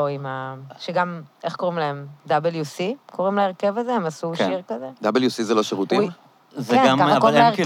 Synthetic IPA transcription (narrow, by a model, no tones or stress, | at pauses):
oimaʃeɡame̞χko̞ʁimlaemd̪abeljusikʰo̞ʁimlaeʁke̞vazeemasukʃiʁkazed̪abeljusizeloʃevut̪i | kenkaχakoʁimae